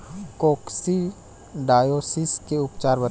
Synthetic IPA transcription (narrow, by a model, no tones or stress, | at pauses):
koːksi | ɖaːjoːsɪskeʊpt͡ʃaːɾbə